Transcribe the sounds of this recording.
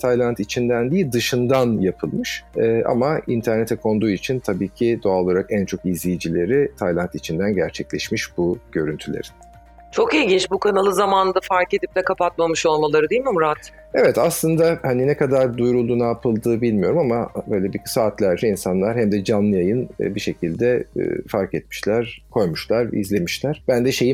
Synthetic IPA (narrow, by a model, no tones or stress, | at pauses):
t̪ʰajlˠant̪it͡ʃʰind̪ænd̪ijilʲd̪ɯʃɯnd̪anjapʰɯlˠmɯʃɯːʔa̰maint̪ʰæɾnet̪ʰɛkʰo̞nd̪uːit͡ʃʰint̪ʰabiːcʰid̪oalo̞lˠaɾakænt͡ʃʰo̞kizlʲijd͡ʒilʲe̞ɾit̪ʰajlˠant̪it͡ʃʰind̪ænɟæɾt͡ʃʰɛclʲɛʃmiʃb̥uɟ̥ø̞ɾynt̪ʰylʲḛɾi̥n | t͡ʃʰo̞kilʲɟint͡ʃbukʰanalˠɯzamand̪afaɾke̞d̪ip̚d̪ɛkʰapʰat̪̚mamɯʃo̞lˠmalˠaɾɯd̪ijlʲmimuɾat̪ | evɛt̪aslˠɯnd̪ahaninɛkad̪aɾd̪ujɾulˠd̪uːnaːpʰɯlˠd̪ɯːbilʲmijo̞ɾumamabø̞jlʲɛbikʰsaːt̪lʲæɾd͡ʒɛinsanlˠaɾhæmd̪ɛd͡ʒanːˠɯjajɯn̰biʃe̞cʰilʲd̪ɛ̰faɾkɛt̪mi̥ʃlʲæɾ̥kʰo̞jmuʃlˠaɾḭzlʲe̞miʃlʲæɾ̥b̥ænd̪ɛʃe̞ji